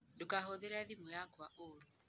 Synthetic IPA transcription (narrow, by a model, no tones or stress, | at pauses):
dokaɦoðeɾɛðimojakwaʔoɾu